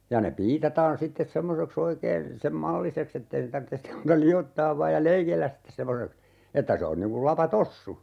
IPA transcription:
jɑ ne piːtɑtɑːn sitːes semːoseks oikeːn sem mɑlːiseks etːei ne tɑrtːe sim muːtɑ liotːɑːʋ ʋɑːj jɑ leikelːæs sitːes semːoseks etːæ se on niŋ kul lɑpɑtosːu

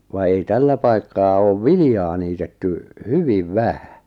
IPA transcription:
ʋɑ ei tælːæ pɑikːɑː oːʋ ʋilĭjɑː niːtetːy hyʋiʋ ʋæhæ̥

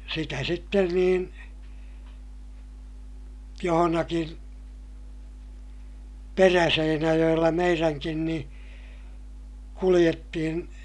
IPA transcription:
sitæ sitːen niːn johonɑkin peræseinæjoj̆elːɑ meiræŋkin nĩː kulij̆etːihin

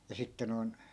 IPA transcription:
jɑ sitːe noi̯n

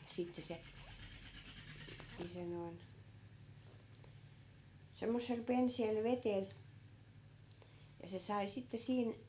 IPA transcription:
sitːe se ni se noin semːosːel penseːl ʋetel jɑ se sɑi sitːe siːn

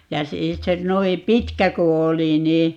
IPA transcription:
jɑ siː se noim pitkæ ku oli niː

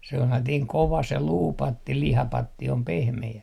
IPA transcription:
selːɑtiːŋ koʋɑ se luːpɑtːi lihɑpɑtːi om pehmeæ

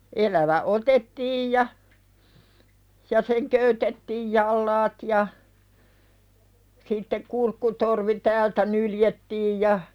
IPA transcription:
ʔelæʋæ otetːiːj jɑ jɑ seŋ køytetːiːj jɑlːɑːt jɑ sitːek kurkːutorʋi tæːltæ nyljetːiːj jɑ

